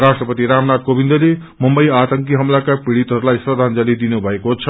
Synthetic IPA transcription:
rasʈrʌpʌt̪iɾamnad̪̚kobind̪ʌle | mʌmbʌjat̪ʌŋkiɦʌmlakapiɽit̪ɦʌɾulajsrʌd̪ʱand͡zalid̪inubʱʌekot͡sʰʌ

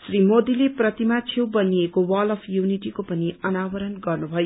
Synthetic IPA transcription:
srimod̪ileprʌt̪imat͡sʰewbʌniekowʌlʌpʰjuniʈikopʌniʌnabʌɾʌnɡʌrnubʱʌjo

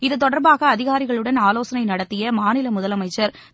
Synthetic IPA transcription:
ɪðɯt̪ːɔɽɐɾbaːɣɐːðɪɣaːɾɪɣɐɭɯɽɐnaːloːsɐnɐɪnɐɽɐt̪ːɪjɐmaːnɪlɐmʊðɐlɐmɐɪt͡ʃːɐɾ

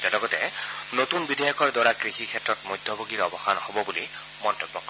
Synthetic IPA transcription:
d͡ʒɛlɔɡɔtɛ | notunbidʱɛjɔkɔɹdwaɹakɹixikʰɛtɹɔtmojd̪ʱɔboɡiɹɔbɔxanhobɔbuli | mɔntobːɔk

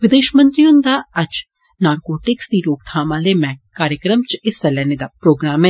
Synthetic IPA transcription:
ʋɪd̪eːʃmɐ̃nt̪ɾijʊnd̪aːɐt͡ʃ | naːɾkoːʈɪksd̪iloːkt̪ʰaːmaːlemɛ̃ːkaːɾjəkɾəmt͡ʃɪsɐlɛnɪd̪apɾoːɡɾaːmẽ

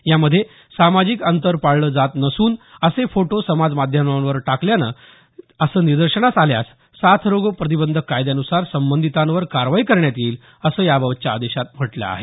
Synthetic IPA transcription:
jaməd̪ʱːje | samad͡ʑiːkənt̪əɾpaɽləːd͡zat̪nəsuːnəsefoʈosəmad͡zmad̪ʱjəmanʋəɾʈakljanə̰ː | əsəːniɾd̪əɾɕəɳasalja̰s | sat̪ʰɾoɡopɾət̪̬ibənd̪ʱəkːajd̪janusaɾsəmbənd̪ʱit̪ãnʋəɾkaɾʋaikəɾɳjat̪iːl | əsəːjabəʋt͡ɕjaːd̪eɕat̪m̤əʈla̰a̰ɦe

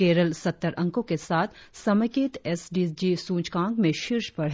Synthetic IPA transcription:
keːɾəlsɐt̪ːəɾʔɐ̃ŋkõkesaːt̪ʰsɐməkeːt̪ɛsɖiːd͡ʒisũːt͡ʃkãːŋkmẽʃɪɾʃpɐɽɦ

